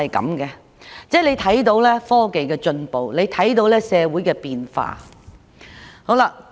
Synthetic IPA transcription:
ɐ˨jkɐ̰˨˥mkɛː˧ | t͡sɛː˥le˨˧jt̪ʰɐ˨˥jt̪o˨˧wlɛː˥fɔː˥ke˨jkɛː˧t͡ʃɵ˧npo˨wle˨˧jt̪ʰɐ˨˥jt̪o˧wlɛː˥sɛː˨˧wuː˨˥jkɛː˧piː˨nfa̰ː˧ | ho˨˥wla˧

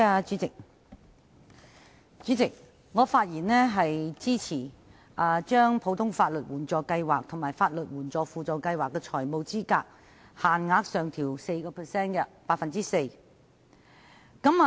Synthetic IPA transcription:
a˧t͡ʃy˨˥ɪ˨k̚ | t͡ʃyː˨˥t͡sɪ˨k̚ | ŋɔː˨˧faː˧t̚jiː˨˩nlɛː˥ɦɐ˨jt͡siː˥t͡sʰiː˨˩ | ʔaː˧˩t͡ʃœː˥ŋpʰo˨˧wt̪ʰʊ˥ŋfaː˧t̚lɵ˨t̚wuː˨˩nt͡sɔː˨˧kɐ˧jwaː˨k̚t̪ʰʊ˨˩ŋmaː˨˩jfaː˧t̚lɵ˨t̚wuː˨˩nt͡sɔː˨fuː˨t͡soː˨˩wkɐ˧jwaː˨kːɛː˧t͡ʃʰɔː˨˩jmo˨wt͡siː˥ka̰ː˧k̚ | haː˨nŋaː˨˧˥k̚sœː˨ŋt̪ʰiː˨˩wse˧jkɔː˧pʰɛː˨˩sɛː˥nkɛ˧paː˧˥t̚fɐ˨nt͡siː˥se˧j | kɐ˨˥m

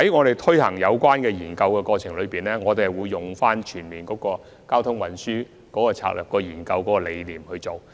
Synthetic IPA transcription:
hɐ˨˥jŋɔː˨˧ɾe˨˩jt̪ʰɵ˥hɐ˨˩ŋjɐ˨˧wkʷaː˥nkɛː˧jiː˨˩nkɐ˧wkɛː˧kɔː˧t͡ʃʰɪ˨˩ŋlɵ˨˧ɥpiː˨˩nɛː˥ŋɔː˨˧t̪e˨˩wuː˨˧jːʊ˨˩ŋfaː˥nt͡ʃʰyː˨˩nmiː˨˩nkɔː˨˥kɔː˧ | kaː˥wt̪ʰʊ˥ŋwɐ˨˩nsyː˥ | kɔː˨˥kɔː˧t͡sʰa̰ː˧k̚lœː˨˩p̚kɔː˧jiː˨˩nkɐ˧wkɔː˨˦˥kɔ˧le˨˧jliː˨˩mhɵ˧ɥt͡so˨w

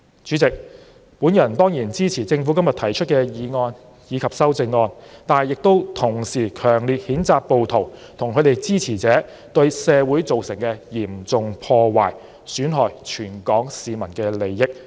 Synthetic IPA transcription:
t͡ʃyː˨˥t͡sɪ˨k̚ | puː˨˥njɐ˨˩nt̪ɔː˥ŋjiː˨˩nt͡siː˥t͡sʰiː˨˩t͡sɪ˧ŋfuː˨˥kɐ˥mjɐ˨˩t̪ʰɐ˨˩jt͡ʃʰɵ˥t̚kɛː˧jiː˨˧ŋɔː˧n | jiː˨˧kʰɐ˨p̚sɐ˥wt͡sɪ˧ŋːɔː˧nt̪aː˨jɪ˨k̚t̪o˥wt̪ʰʊ˨˩ŋsiː˨˩kʰœː˨˩ŋliː˨t̚hiː˨˥nt͡saː˨˧k̚po˨wt̪ʰo˨˩wt̪ʰʊ˨˩ŋkʰɵ˨˧ɥt̪e˨jt͡siː˥t͡sʰiː˨˩t͡sɛː˨˥ | t̪ɵ˧ɥsɛː˨˧wuː˨˥jt͡so˨wsɪ˨˩ŋkɛː˧jiː˨˩mt͡sʊ˨ŋpʰɔː˧wa̰ː˨˩j | syː˨˥nɦɔː˨jt͡ʃʰyː˨˩nkɔː˨˥ŋsiː˨mɐ˨˩nkɛː˧le˨jːɪ˥k̚

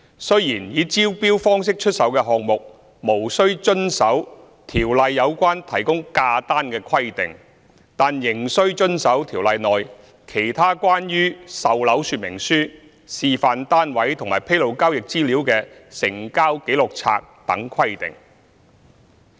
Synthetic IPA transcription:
sɵ˥ɥjiː˨˩njiː˨˧t͡siː˥wpiː˥wfɔː˥ŋs̬ɪ˥k̚t͡ʃʰɵ˥t̚sɐ˨˥wkɛː˧ɦɔː˨k̚mʊ˨k̚ | mo˨˩wsɵ˥ɥt͡ʃɵ˥nsɐ˨˥w | t̪ʰiː˨˩wlɐ˨jːɐ˨˧wkʷaː˥nt̪ʰɐ˨˩jkʊ˥ŋkaː˧t̪aː˥nkɛː˧kʰwɐ˥jt̪ɪ˨ŋ | t̪aː˨njɪ˨˩ŋsɵ˥ɥt͡ʃɵ˥nsɐ˨˥wt̪ʰiː˨˩wlɐ˨jnɔː˨j | kʰe˨˩jt̪ʰaː˥kʷaː˥njyː˥sɐ˨wlɐ˨˥wsyː˨˧t̚mɪ̰˨˩ŋsyː˥ | siː˨faː˨˩nt̪aː˥nwɐ˨˥jt̪ʰʊ˨˩ŋmaː˨˩jpʰe˥jlo˨˩wkaː˥wjɪ˨k̚t͡siː˥liː˨˥wkɛː˧ | sɪ̰˨˩ŋkaː˥wke˨˥jlʊ˨k̚t͡sʰa̰ː˧k̚t̪ɐ˨˥ŋkʰwɐ˥jt̪ɪ̰˨˩ŋ

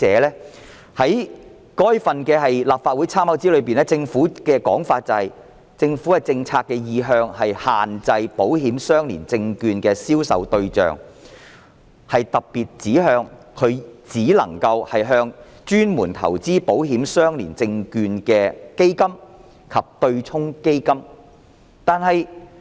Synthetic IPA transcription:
ɛː˨˧˥lɛː˥ | hɐ˨˥j | kɔː˥jfɐ˨nkɛː˧ɦɐ˨jlaː˨p̚faː˧t̚wuː˨˥jt͡sʰaː˥mɐ˨˥wt͡siː˨˥lɵ˨˧piː˨nɛː˥t͡sɪ˧ŋfuː˨˥kɛː˧kɔ̰ː˨˥ŋfaː˧t̚t͡sɐ˨whɐ˨j | t͡sɪ˧ŋfuː˨˥kɐ˨˩t͡sɪ˧ŋt͡sʰaː˧t̚kːɛː˧jiː˨˧ɦœː˧ŋhɐ˨jhaː˨nt͡sɐ˧jpo˨˥wɦiː˨˥msœː˥ŋlḭː˨˩nt͡sɪ˧ŋkyː˧nkɛː˧siː˥wsɐ̰˨˥wt̪ɵ˧ɥt͡ʃœ̰ː˨ŋ | hɐ˨jt̪ɐ˨k̚piː˨˩t̚t͡siː˨˥ɦœː˧ŋkʰɵ˨˧ɥt͡siː˨˥lɐ˨˩ŋkɐ˧whɐ˨jɦœː˧ŋ | t͡ʃyː˥nmuː˨˩nt̪ʰɐ̰˨˩wt͡siː˥po˨˥wɦiː˨˥msœː˥ŋlḭː˨˩nt͡sɪ˧ŋkyː˧nkɛː˧ke˥jkɐ˥m | kʰɐ˨p̚t̪ɵ˧ɥt͡sʰʊ˥ŋke˥jkɐ˥m | t̪aː˨nɦɐ˨j

